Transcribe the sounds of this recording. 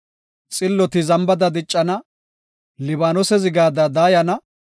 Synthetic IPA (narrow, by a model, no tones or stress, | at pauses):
t͡sʼɪlːɔt̪ɪzɐmbɐd̪ɐd̪ɪt͡ʃʼːɐnɐ | lɪbaːnɔsɛzɪɡaːd̪ɐd̪aːjɐnɐ